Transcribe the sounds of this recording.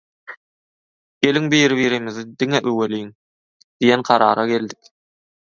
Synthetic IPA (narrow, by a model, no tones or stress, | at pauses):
ɡ̥e̞liŋbijɾiβiːɾimiðid̪iŋeʔøweliŋ | d̪̥ijenqʰɑɾɑːɾɑɡe̞ld̪ik